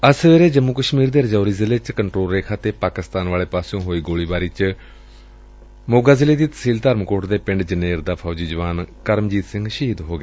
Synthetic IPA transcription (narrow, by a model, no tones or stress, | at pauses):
əsʋeːɾeːd͡ʒəmːuːkəʃmiːɾd̪eːɾəd͡ʒaːɾiːzɪleːt͡ʃkəɳʈɾoːlɾeːkʰaːt̪eːpaːkɪst̪aːnʋaːleːpaːsõːɦoːiːɡoːɭiːbaːɾiːt͡ʃ | moːɡaːzɪleːd̪iːt̪ə̥siːlt̪əɾmkoːʈd̪eːpɪ̃ɳɖd͡ʒəneːɾd̪aːpʰaːd͡ʒiːd͡ʒəʋaːnkəɾmd͡ʒiːt̪sɪ̃ŋɡʃiːd̪ɦoːɡeː